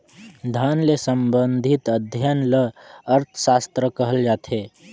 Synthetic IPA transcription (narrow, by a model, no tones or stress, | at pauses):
d̪ʱaːnlesəmbənd̪ʱit̪əd̪ʱjanləəɾt̪ʰsaːst̪ɾəkəɦəld͡ʒaːt̪ɦeː